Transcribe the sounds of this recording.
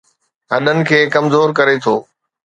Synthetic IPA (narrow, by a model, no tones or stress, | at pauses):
ɦɐɗənɪ̆kʰeːkɐmzoːɾkɐɾet̪ʰoː